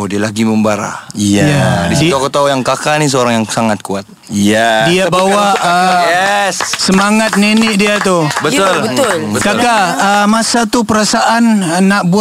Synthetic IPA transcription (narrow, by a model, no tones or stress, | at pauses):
odialaɡiməmbaɾa̰jadidokot̪aujaŋkakanis̬əoɾaŋjaŋsaŋat̪̚kuat̪̚ | jadiabawaəɛssəmaŋat̪̚ninɪʔdiat̪ubət̪ʊlbəʊbəkakaəmasat̪upəɾasaʔanənːaʔbu